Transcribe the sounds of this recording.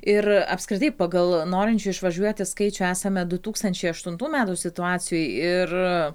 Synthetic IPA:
ɪɾɐ̰pskɾʲɪt̪ɐɪpɐɡɐlˠnoːɾʲɪnʲt͡ʃʲʊɪʃʋɐʒʲuɔt̪ʲɪskɐɪt͡ʃʲʊæːsɐmʲɛd̪ʊt̪uːkst̪ɐnʲt͡ʃʲɛɪɐʃt̪ʊnt̪uːmʲæːt̪uːsʲɪt̪ʊɑːt͡ssʲɪjoːjɪr

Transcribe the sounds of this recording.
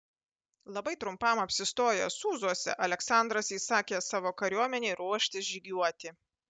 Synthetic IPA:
lˠɐbɐɪt̪ɾʊmpɐmɐpʲsʲɪst̪oːjɛsuːzuɔsʲɛ̰ʔɐlʲɛksɑˑnd̪ɾɐsiːsɑːkʲeːsɑːʋoːkɐɾʲuɔmʲɛnʲeɪɾuɔʃʲt̪ʲɪsʒʲiːɡʲuɔt̪ʲɪ

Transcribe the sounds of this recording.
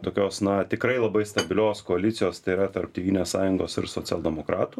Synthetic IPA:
t̪oːkʲoːsnɐt̪ʲɪkɾɐɪlˠɐbɐɪst̪ɐbʲɪlʲoːskoːɐlʲit̪sʲɪjoːst̪ɐɪiɾɐt̪ɐɾpt̪ʲiːʋʲiːnʲeːssɑːjʊŋɡoːsɪ̰ɾsoːt͡s̪ʲɛlˠd̪ʲɛmoːkɾɑːt̪uː

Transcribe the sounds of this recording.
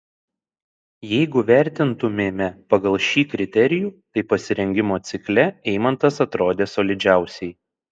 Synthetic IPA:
jɛɪɡʊʋʲæˑɾʲt̪ʲɪnt̪ʊmʲeːmʲɛpɐɡɐlˠʃʲiːkɾʲɪt̪ʲɛɾʲɪjuːt̪ɐɪpɐsʲɪɾʲɛŋʲɡʲɪmoːt̪sʲɪklʲɛɛɪmɐnt̪ɐsɐt̪ɾoːd̪ʲeːsoːlʲɪd͡ʒʲæˑʊsʲɛɪ

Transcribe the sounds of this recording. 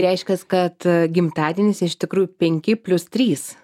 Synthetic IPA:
ɾʲɛɪʃʲkʲɛskɐt̪ɡʲɪmt̪ɑːd̪ʲiɛnʲɪsɪʃt̪ʲɪkɾuːjʊpʲɛŋʲkʲɪpʲlʲʊst̪ʲɾʲiːs

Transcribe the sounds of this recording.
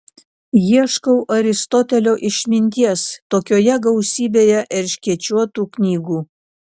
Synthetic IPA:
jiɛʃkɐʊʔɐɾʲɪst̪ɔt̪ʲɛlʲoːʔɪʃʲmʲɪnʲt̪ʲiɛst̪oːkʲoːjɛɡɐʊsʲiːbʲeːjɛʔɪɾʲʃʲkʲiɛt͡ʃʲuɔt̪uːknʲiːɡuː

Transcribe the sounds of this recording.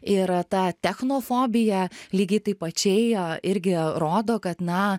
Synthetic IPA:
ɪɾt̪ɑːt̪ʲɛxnoːfoːbʲɪjɛlʲiːɡʲɐɪt̪ɐɪpɐt͡ʃʲɛɪɪɾʲɡʲɪɾoːd̪oːkɐt̪nɐ

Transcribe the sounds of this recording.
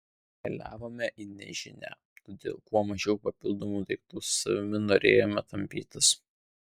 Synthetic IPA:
kɐlʲæ̰ːʋoːmʲɛʔɪnʲɛ̰ʒʲɪnʲæ̰ | t̪oːd̪ʲḛːlˠkuɔmɐʒʲɛʊpɐpʲɪlˠd̪oːmuːd̪ɐɪk̚t̪uːsʊsɐ̰ʋʲɪmʲɪnoːɾʲḛːjoːmʲɛt̪ɐmʲpʲiːt̪ʲɪs

